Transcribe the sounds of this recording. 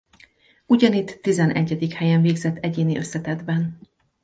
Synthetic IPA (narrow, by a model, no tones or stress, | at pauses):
uɟɒnit̪ːizɛnʔɛ̰ɟːɛd̪ikhɛjɛɱveːɡzɛt̪ʰːɛɟeːniʔø̞sːɛt̪ɛd̪bɛn